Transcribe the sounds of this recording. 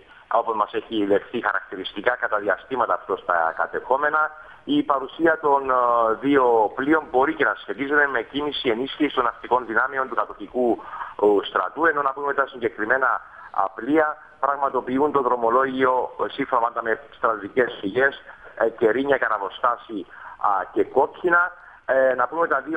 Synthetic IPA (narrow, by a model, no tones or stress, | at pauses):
opozmɐse̞çile̞xθixɐɾɐk̚t̪iɾist̪ikɐkɐt̪ɐðiɐst̪imɐt̪ɐːft̪o̞st̪ɐ̰kɐ̰t̪e̞xo̞me̞nɐ | ipɐɾusiɐt̪o̞nðio̞plio̞mbo̞ɾice̞nɐsçe̞t̪izet̪eme̞cinisie̞nisçisi̥t̪o̞nɐst̪iko̞nðinɐmio̞nt̪ukɐt̪o̞tiku | st̪ɾɐ̰t̪ue̞no̞nɐpume̞t̪ɐsiɲɟe̞kɾime̞nɐ̰ː | pliɐ | pɾɐɣmɐt̪o̞piunt̪o̞ðɾo̞mo̞lo̞ʝio̞siɱfomɐnd̪ɐme̞st̪ɾɐðice̞sfiʝe̞sce̞ɾiɲɐkɐnɐvo̞st̪ɐsice̞ko̞cinɐ | nɐpume̞t̪ɐðio